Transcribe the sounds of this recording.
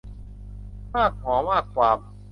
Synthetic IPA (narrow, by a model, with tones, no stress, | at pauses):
maː˥˩kʰːɔː˩˦maː˥˩kːwaː˨˩m